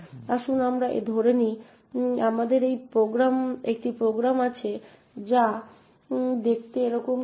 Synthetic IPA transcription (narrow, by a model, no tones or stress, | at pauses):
t̪aʃunamɾaʔḛd̪ʱoɾeni | amad̪eɾejpɾoɡɾamek̚ʈipɾoɡɾamat͡ɕʰe | d͡ʑa | d̪ek̚ʰt̪eeɾɔkom